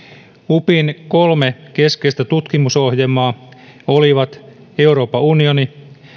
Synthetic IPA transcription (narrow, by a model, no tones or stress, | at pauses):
upinko̞lmeke̞skejst̪æt̪ut̪kimuso̞hjemːɑː | o̞liʋɑt̪ | e̞uɾo̞ːpɑunio̞ni